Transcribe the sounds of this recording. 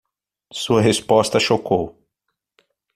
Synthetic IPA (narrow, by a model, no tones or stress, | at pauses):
suɐɦespɔst̪ɐʃokow